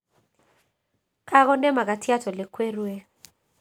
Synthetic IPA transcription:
kʰa˦k̬ɔ˦ndɛ˦ma˨k̬a˨tʰi˦a˦tʰɔ˨lɛ˨kʰwe˦rwe˦

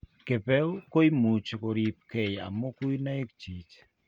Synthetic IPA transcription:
ke˨pɛ˦o˦ko˦jmu˨t͡ʃko˨ɾi˨p̚ke˨ja̰˨mo˦ku˦jna˦e˦kt͡ʃi˨t͡ʃ

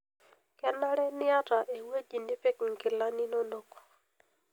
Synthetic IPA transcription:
kɛ˦na˦ɾɛ˦nɪ˦a˦ta˨ʔe˨we˦ti˨nɪ˦pe˦kɪ˨ŋkɪ˨la˦ni˦no˦no˦kɔ̥˨

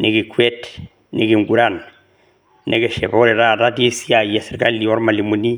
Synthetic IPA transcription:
ne˨ɡi˨kwe˦t | ne˨ɡi˨ŋɡu˨ɾa˦˨n | ne˦ɡe˨ʃe˨bo˦ɾe˨ɾa˦˨ɾa˦di˦si˦a˨je˨si˨ɾka˦li˨o˦ɾma˨li˨mu˨ni˦

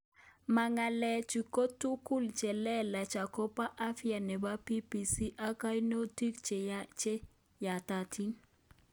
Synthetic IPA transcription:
ma˨ŋa˨lɛ˦˨t͡ʃi˨ko˦tːu˦ku˦lt͡ʃɛ˨lɛ˦la˨t͡ʃa˨ko˦pa˦ʔa˦fi˦a˨nɛ˨ba˦pi˦pi˨si˦ʔa˦ka˦jno˦ti˦kt͡ʃe˨t͡ʃe˦ | ja˨ta˨tʰi˦n

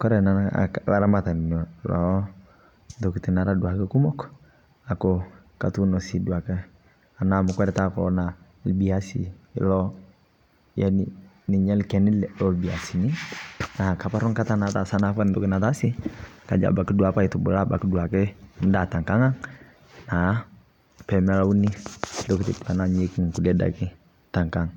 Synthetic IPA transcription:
kɔ˦ɾɛ˨na˨a̰˨la˨ɾa˦ma˦ta˨ni˨nɔ˨lɔ˨˦ | ntɔ˨ki˨ti˨na˨ɾa˦du˨a˨kɛ˦ku˦mɔ˦k | a˨kɔ˨ | ka˨tu˦nɔ˨si˨du˨a˨kɛ˦ | a˨na˨mu˨kwɛ˦ɾɛ˨ta˦kɔ̰˨na˨ | lbi˦a˦sḭ˨lɔ˦ | ja˦n | ni˨ɲɛ˦lkɛ˨ni˦lɔ˨lbi˨a˨si˨ni˦na˨ka˨pa˦ɾɔ˦ŋka˦ta˦na˨ta˨sa˦na˦ka˦ndɔ˦kɪ˦na˨ta˦si˦ka̰˨d͡ʒa̰˨ba˨ki˦du˦a˨pa˦i˨tu˨bṵ˨la˦ba̰˨ki˦du˨a˨kɛ˦n˦da˨ta˨ŋka˦ŋa˦ŋ | na˨˦ | pɛ˨mɛ˦la˦u˦ni˦dɔ˦ki˦ti˨ta˨na˦ɲe˦ki˦ŋ˨ku˨dɛ˦da̰˨kɪ˦ | ta˨ŋka˦ŋ

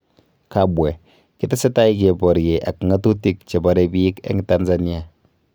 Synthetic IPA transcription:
ka˨bwɛ˨ | ki˦te˦se˦ta˦i˦ke˨pɔ˨ɾje˨ʔa̰˨kŋa˦tu˦ti˦˨k̚t͡ʃe˨ba˨ɾe˨bi˦i˦kḛ˦ŋi˦ta˦nza˦ni˦a˨

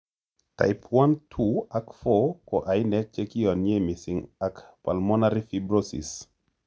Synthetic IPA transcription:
ta̰˨jpʰwa˦ntʰuakfokɔ˨ʔa˨jnɛ˦k̚t͡ʃe˦ki˦ɔ˨nje˦mi˨sɪŋakpalmɔ˦naɾi˦fibɾosḭ˨s

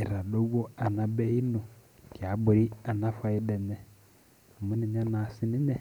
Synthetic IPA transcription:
i˨ɾa˨do˦wo˦a˨na˨bɛ˦i˦no˨ki˨a˨˦bʊ˨ɾi˦a˨na˦fa˨˦i˦dɛ˨ɲɛ˨ | mʊ˦ni˨ɲa˦na˨sɪ˦ni˦ɲɛ˦

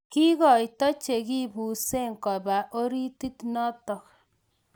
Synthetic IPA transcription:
ki˦ɣɔ˨jtɔ˦t͡ʃe˨ki˦bu˨se˦ŋkɔ˨ba˨ʔo˦ɾi˦ti˦tnɔ˦tɔ˨k

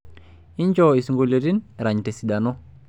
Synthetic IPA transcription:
i˦ɲt͡ʃo˦i˨sŋɡo˨lo˨ti˦nɾaɲte˨si˨da˨no˦

